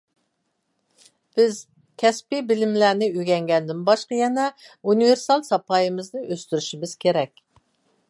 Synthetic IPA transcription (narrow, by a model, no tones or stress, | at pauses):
b̥ɪz | kʲʰɛspibɪlɪmlænɪyɡʲɛŋɡʲɛnd̪ɪnbɑʃqɑjɛnɛuniveɾsɑlˠsɑpʰɑjɨmɨznɨʔøst̪yɾyʃimɪz̥kʲʰeɾɛkʲ